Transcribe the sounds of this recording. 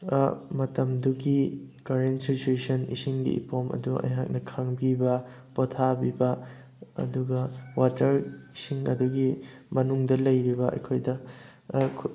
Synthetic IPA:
mɐtɐmduɡikɐɾensit͡ʃuesɐnḭsiŋɡḭḭpomɐ̰duʔɐ̰jɦa̰k̚nɐkʰaŋbibɐ | potʰabibɐ | ɐ̰duɡɐwatɐɾisiŋɐ̰duɡimɐnuŋdɐlɐjɾibɐʔɐ̰jkʰojdɐ | kʰ

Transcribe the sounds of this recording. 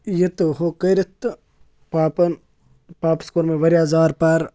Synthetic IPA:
jet̪ɨɦokɐjɾɐt̪ | paːpɐn | paːpskoɾmẽʋɐɾjaːzaːɾpaːɾ

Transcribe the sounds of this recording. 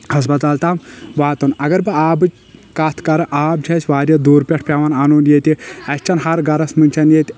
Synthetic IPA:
hɐs̬pɐt̪aːlt̪aːmʋaːt̪ɐnɐɡɐɾbɨaːbɨt͡ʃ | kaːt̪ʰkɐɾɐʔaːb̚d͡ʒʰʱʲɐsʲʋaːɾʲjɐd̪uːɾpʲeʈʰpʲaʋananoːnjet̪ʲiɐsʲt͡ʃɐnɦɐɾɡɐɾɐsmɨnʲt͡ʃʰɐnjet̪ʲ

